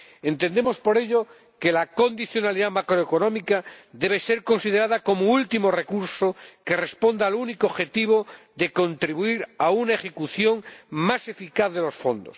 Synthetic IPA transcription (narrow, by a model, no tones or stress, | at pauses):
ent̪e̞nd̪emospo̞ɾe̞ʎo | ke̞lako̞nd̪iθjo̞naliðamakɾoeko̞nõmikaðe̞β̞ese̞ɾko̞nsið̞eɾaðako̞moult̪imo̞re̞kuɾsoke̞re̞spo̞nd̪aːlunikooxet̪iβ̞oðe̞ko̞nt̪ɾiβuiɾaunaexe̞kuθjo̞ŋmase̞fikaθðe̞lo̞sfo̞̰nd̪o̰s